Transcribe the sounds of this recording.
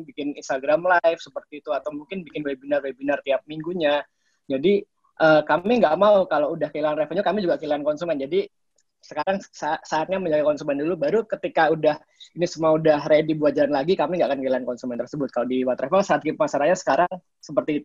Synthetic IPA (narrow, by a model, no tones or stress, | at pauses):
bikɪninst̪aɡɾamlajfsəpərt̪iːt̪uat̪awmuŋkɪnbikɪnwebinarwebinart̪iap̚miŋɡuɲa | d͡ʒadi | ʔəːkamiŋɡaʔmaukaloudahkəilaanrɛfɔnɲakamid͡ʒuɡakəilaankɔnsumɛnd͡ʒadi | səkaɾaŋsasaːt̪̚ɲaməɲd͡ʒaɡakɔnsumɛndulubaɾukət̪ikaudah | inisumuaudahredibuat̪̚d͡ʒalanlaɡikamiŋɡaʔakankəilaankɔnsumɛnt̪ərsəbʊt̪̚kalodiwat̪ɾefansaat̪̚ɡip̚masaɾahɲasə̥kaɾaŋ | səpərt̪iːt̪u̥